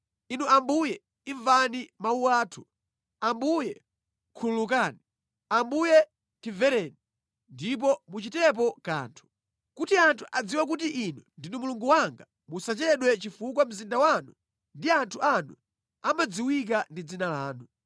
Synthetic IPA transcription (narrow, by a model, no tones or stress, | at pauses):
inuambujɛ | iɱvanimauwaːtʰu | ambujɛ | kʰululuk̬aːni | ambujɛ | tivɛɾɛni | ndip̬ɔmut͡ʃitɛp̬ɔka̰ːntʰu̥ | kutiantʰuʔad͡ziwak̬ut̬iʔinundinumuluŋɡuwaŋɡa | musat͡ʃɛɗwɛt͡ʃifukwam̩zindawanu | ndiantʰuʔanu | amad͡ziwik̬andid͡zinalaːnu